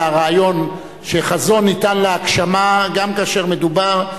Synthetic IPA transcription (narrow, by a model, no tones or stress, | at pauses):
aʁaːjo̞n | ʃeχazo̞nːitanleakʃamaɡamkaːʃeʁme̞d̪ubaʁ